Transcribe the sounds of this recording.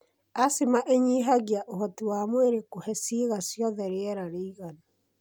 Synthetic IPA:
asemaʔeɲiɦaɣjaʔoɦɔtiwaːmweɾekohɛsiɣasjɔðɛɾeɛɾaɾeiɣana

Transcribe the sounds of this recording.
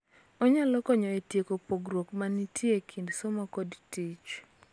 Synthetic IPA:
ɔɲalɔkɔɲɔetjekopoɡɾwokmanitʰjekʰindsomakodtit͡ʃ

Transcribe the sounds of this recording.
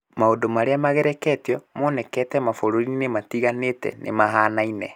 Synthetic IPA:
maodomaɾeamaɣɛɾɛkɛteɔmɔnɛkɛtɛmafoɾoɾiinematiɣanetɛ̰nʔḛmaɦaːnainɛ

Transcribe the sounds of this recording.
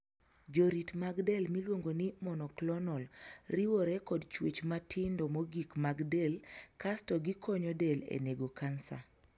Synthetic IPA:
d͡ʒɔɾitmaɡdɛlmilwoŋɡonimɔnɔklɔnɔlriwɔɾɛkɔdt͡ʃwet͡ʃmatʰɪndɔmɔɡikmaɡdɛlkastɔɡikɔɲɔdɛlḛneɡokansa̰

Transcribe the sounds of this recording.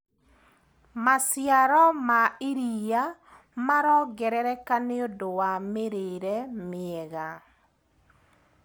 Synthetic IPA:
masjaɾɔmaiɾija | maɾɔɡɛɾɛɾɛkaneodowameɾeɾɛmɪɛɣa

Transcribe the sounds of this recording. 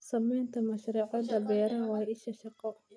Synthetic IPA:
sɐmɛːnt̪ʰɐmɐʃɾuːʕɑd̪ɐbɛːɾɐnwɑːɪʃɐʃɑqɔ

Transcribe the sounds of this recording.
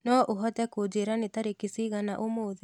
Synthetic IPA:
nɔʔoɦɔtɛkod͡ʒeɾanet̪aɾekisiɣanaʔomoːðe

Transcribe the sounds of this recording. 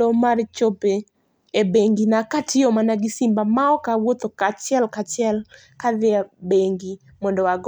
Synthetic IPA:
omart͡ʃope | ebeŋɡinakatʰɪomanaɡɪsimbamaɔkawot̪okat͡ʃɪɛlkat͡ʃɪɛl | kaðɪabeŋɡi | mɔndɔwaɡ

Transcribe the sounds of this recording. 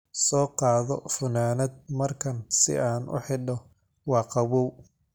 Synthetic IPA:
sɔːqɑːðɔfʊnaːnɐd̪̚mɐrkʰɐnsɪ̰ʔaːnʔʊ̰ħɪɖɔ | wɑːqɑβuw

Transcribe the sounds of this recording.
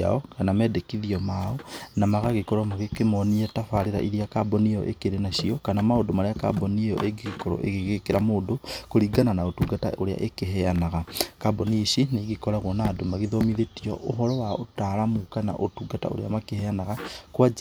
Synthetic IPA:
a̰ɔkanamɛːdekiðiɔmaɔnamaɣaɣekɔɾɔmaɣekemɔniɛtafaɾeɾa̰ʔiɾiakabɔniɔ̰ʔḛkeɾenaʃiɔkanamaodomaɾeaka̰bɔnijɔ̰ʔeɡeɣekɔɾɔ̰ʔḛɣeɣekeɾamoːdokoɾiɡananaotuːɡata̰oɾea̰ʔekeɦɛanaɣakabɔniʃineɡikɔɾaɣɔnaːdomaɣiðomiðetiɔ̰ʔoɦɔɾɔwaotaɾamukana̰ʔotuːɡata̰o̰ɾḛamakehɛanaɣakwa

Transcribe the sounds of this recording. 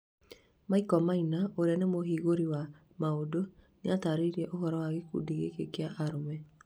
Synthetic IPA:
maikɔmainaoɾeanemoɦiːɣoɾiwa | maodoneataɾeiɾiɛʔoɦɔɾɔwaɣekṵdiɣḛkḛkeaʔaɾomɛ

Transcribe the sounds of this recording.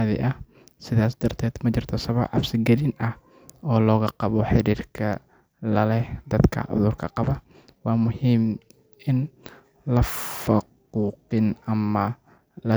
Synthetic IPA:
ðɛ̰jʔɐh | sɪðaːsd̪ɐrt̪ʰɛːd̪mɐt͡ʃɪrt̪ʰɔsɐβɐbʕɑ̰fsɪɡɐlɪnʔɐh | ɔːlɔːɣɐqɑβɔħɪɾiːrkʰɐ | lɐlɛhd̪ɐd̪kʰɐ̰ʔʊ̰ðʊrkʰɐqɑβɐ | wɑːmʊhiːm | ʔɪn | lɐffʊq | uːqɪnɐmɐ | lɐ

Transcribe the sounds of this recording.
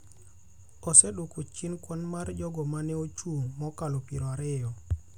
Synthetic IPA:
ɔsɛdokot͡ʃinkwɔnmard͡ʒɔɡɔmanɛot͡ʃumɔkalopiɾɔaɾɪjɔ

